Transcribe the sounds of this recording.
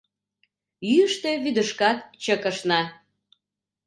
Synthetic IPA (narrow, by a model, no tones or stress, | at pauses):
yəʃt̪eβyd̪əʃkɑt̪t͡ɕəkəʃnɑ